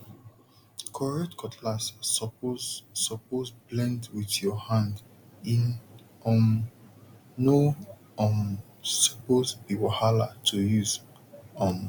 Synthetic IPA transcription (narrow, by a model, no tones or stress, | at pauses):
kʰɔɹɛtkʰɔtʰlas | ɔpozblɛ̃ndwiθjɔhãnd | ĩn | ɔm | no | ɔm | sɔpozbiwahalatʰujuz | ɔ̃m